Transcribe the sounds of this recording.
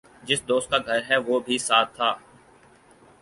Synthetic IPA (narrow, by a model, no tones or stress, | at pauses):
d͡ʒɪsd̪oːst̪̚kaːɡʱɐɾɦɛʋoːbʱisaːt̪ʰːaː